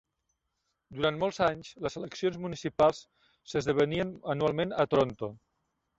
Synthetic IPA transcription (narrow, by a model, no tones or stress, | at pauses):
d̪uɾant̪mɔlˠzaɲzləzələksionzmunisipalˠs | səzðəβəniənənualˠmenət̪ɾont̪o